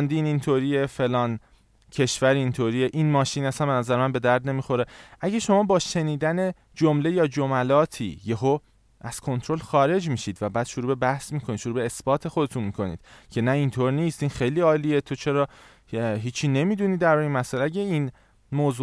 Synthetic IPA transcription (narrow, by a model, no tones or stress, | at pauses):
nd̪iːnint̪ʰoɾiefe̞lɒːn | cʰe̞ʃvæɾint̪ʰoɾiːeʔinmɒːʃiːnæsænbenæzæɾemænbe̞d̪æɾd̪ne̞miːxo̞ɾeʔæɟæʃo̞mɒːbɒːʃe̞niːd̪æne̞ | d͡ʒomle̞jɒːd͡ʒomælɒːt̪ʰḭːjeɦo | ʔæz̥kʰo̞nt̪ʰɾo̞lxɒːɾe̞d͡ʒmiːʃiːd̪væbæːd̪̥ʃoɾuːbebæhsmiːkʰonid̪ʃoɾuːbeːsbɒːt̪ʰe̞xo̞d̪e̞t̪ʰunmiːkʰo̞nḭːd̪̥cʰe̞næint̪ʰoɾniːst̪inxejliːɒːliːet̪ʰot͡ʃʰe̞ɾɒː | ɦiːt͡ʃʰiːne̞miːd̪uniːd̪æɾbɒːjeinmæsælæɟʲæin | moːzu